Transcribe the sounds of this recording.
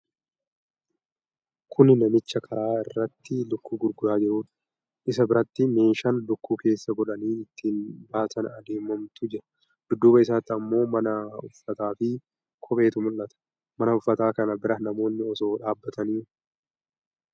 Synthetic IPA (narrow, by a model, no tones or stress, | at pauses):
kʰʊnɪnɐmɪt͡ʃːɐkʰɐɾaːɪrːɐt̪ːɪlʊkːuːɡʊɾɡʊɾaːd͡ʒɪɾuːᶑɐ̥ | ʔɪsɐbɪɾɐt̪ːɪme̞ːʃɐnlʊkːuːke̞ːsːɐɡɔᶑɐniːɪt̪ʰːiːnbaːsɐnɐd̪eːmɔmt̪ʊd͡ʒɛᶑɐ̥ | d̪̥ʊd̪ːʊːbɐɪs̬aːt̪ːɪɐmːo̞ːmɐnɐʊfːɐt̪aːfɪ | kʰɔpe̞ːt̪ʊmʊlːɐt̪ɐ̥ | mɐnɐʊfːɐt̪aːkɐnɐbɪɾɐnɐmo̞ːnːɪɔso̞ːᶑaːbːɐt̪ɐniː